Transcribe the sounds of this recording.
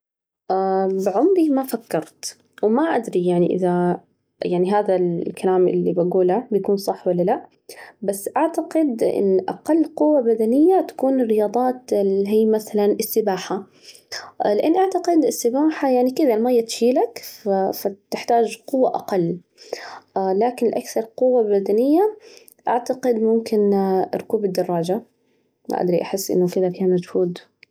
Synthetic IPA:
ʔabɪʕʊmɾimafakːɑɾˤt̪ | wmaʔad̪ɾijaʕniʔɪ̰ða | jaʕniɦaːðalkalaːmʔɪ̰lːibaɡuːlabjakuːnsˤɑħːwalːalaʔ | basːʔaʕt̪aqɪd̪ʔɪ̰nːʔa̰qɑlːqʊwːabad̪anɪjːat̪ḁkuːnɪrːɪjɑːd̪ˤɑːt̪ɪlɦiːmaθalanʔɪsːɪbaːħa | lɪʔanːiʔaʕt̪aqɪd̪ɪsːɪbaːħajaʕnikɪd̪almajːat̪ʃiːlakfat̪ɪħt̪aːd͡ʒqʊwːaʔa̰qɑlː | laːkɪnlɪʔakθɑɾˤqʊwːabad̪anɪjːa | ʔaʕt̪aqɪd̪mʊmkɪnɾˤʊkuːbɪd̪ːɑrˤːɑːd͡ʒa | m̰ʔa̰d̪ɾiʔaħɪsːʔɪ̰nːʊkɪd̪afiːhamad͡ʒhuːd̪

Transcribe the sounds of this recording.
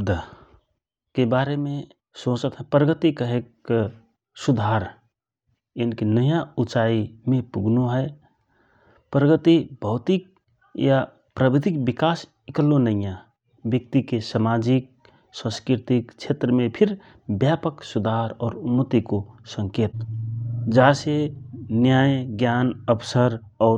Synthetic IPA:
d̪ʱ | kebaɾeme | sot͡ʃət̪ɦɛpɾəɡət̪ikəɦek | sud̪ʱaɾ | enkenəjãut͡ʃaimepuɡʱnuɦəe | pɾəɡət̪ibʱəʊt̪ik̚ | ja | pɾəbid̪ʱik̚bikas | ikəlːonəjã | bjək̚t̪ikesəmad͡ʒik̚ | sə̃skɾiɾt̪ikt͡ʃʰet̪ɾəmepʰiɾ | bjapəksud̪ʱaɾɔːɾumət̪ikosə̃ŋket̪ | d͡ʒasenjajɡjanəbsəɾ | ɔː

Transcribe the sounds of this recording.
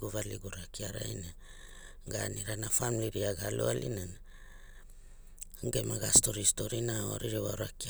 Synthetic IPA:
ɡuβaliɡuɾakiaɾa̰jne | ɡaniɾanafamiliɾiaɡalṵalḭnana | ɡe̞maɡasto̞ɾisto̞ɾinao̰ɾiɾewaɾaki

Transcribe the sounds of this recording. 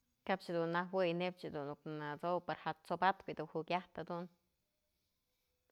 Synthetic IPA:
kap̚t͡ʃd̪unːahwɨjnep̚t͡ʃd̪unːuknat͡sowpaɾhat͡sobat̪bid̪unhukʲaht̪had̪un

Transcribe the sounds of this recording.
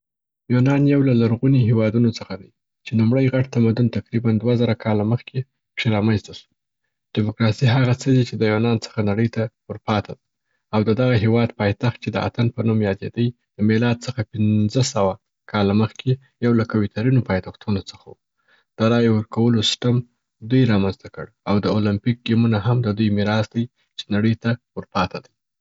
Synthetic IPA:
junɑnjawlalaɾɣuniɦewɑd̪unot͡səxad̪aj | t͡ʃelumɽəjɣaʈ̚t̪amad̪unt̪aqɾiband̪wazaɾakʰɑlaməxkʰe | kʂeɾɑmanzt̪asu̥ | ɖ̥ɪmʊkɾɑsiɦaɣat͡səd̪it͡ʃed̪əjunɑnt͡sə̥xanaɽəjt̪awəɾpɑt̪ʰad̪ | awd̪əd̪aɣaɦewɑd̪pɑjt̪axt̪̚t͡ʃed̪əa̰t̪anpənumjɑd̪ḛd̪əj | d̪̥əmelɑd̪̚t͡səxapɪnzəsawa | kʰɑlaməxkʰe | jawlakawit̪ʰaɾinopɑjt̪axt̪unot͡səxawu | d̪̥əɾɑjwəɾkawəlosɪ̥ʈam | d̪ujɾɑmanzt̪akə̰ɽawd̪əolampik̚ɡimunaɦamd̪əd̪ujmɪɾɑsd̪aj | t͡ʃe̥naɽəjt̪awəɾpɑt̪ʰad̪əj

